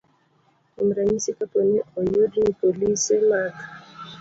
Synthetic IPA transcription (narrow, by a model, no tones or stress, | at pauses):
omɾamisikaponiojodipolisemata